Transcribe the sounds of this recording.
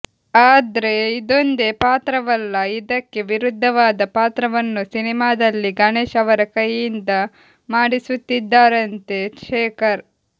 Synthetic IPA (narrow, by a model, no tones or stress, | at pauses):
aːd̪ɐɾe̞id̪o̞nd̪e̞paːt̪ɾɐʋɐlːɐid̪ɐkːe̞ʋiɾud̪ʱːɐʋaːd̪ɐpaːt̪ɾɐʋɐnːusinimaːd̪ɐlːiɡɐneːʃɐʋɐɾɐkɐjːind̪ɐ | maːɽisut̪ːid̪ːaːɾɐnt̪e̞ʂeːkɐɾ